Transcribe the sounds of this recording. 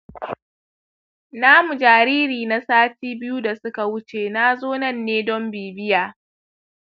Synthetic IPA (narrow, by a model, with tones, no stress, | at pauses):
naː˦mu˨d͡ʒaː˨ɾiː˦ɾiː˨na˦saː˦tiː˦bɪ˦ju˦da˨sʊ˦ka˨wʊ˦t͡ʃeː˨naː˦zoː˦nɐ˦˨nːeː˦dɔ˦mbiː˨bɪ˦jaː˨